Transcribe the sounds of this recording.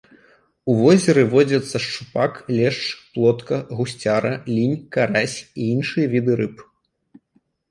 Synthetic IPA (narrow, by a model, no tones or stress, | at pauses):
uvɔzʲɛɾɨvɔd͡zʲɐt̪sːɐʂt͡ʂupaklʲɛʂt͡ʂplˠɔt̪kɐɣusʲt͡sʲaɾɐlʲinʲkaɾasʲiinʂɨjɐvʲid̪ɨɾɨp